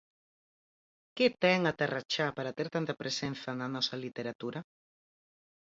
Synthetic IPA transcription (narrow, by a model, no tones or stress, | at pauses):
ket̪ɛŋat̪arat͡ʃapaɾat̪eɾt̪ant̪ɐpɾʔesenθananɔsɐlit̪eɾat̪uɾa